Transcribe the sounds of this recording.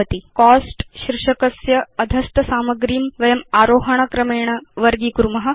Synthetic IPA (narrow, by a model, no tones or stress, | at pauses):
ɐt̪ikɔːsʈɕɾɪʂɐkɐsjɐɐd̪ʱɐst̪ɐsaːmɐɡɾiːmʋɐjɐmaːɾoːɦɐɳ̃ɐkɾɐmeːɳ̃ɐʋɐɾɡiːkuɾmɐɦɐ̆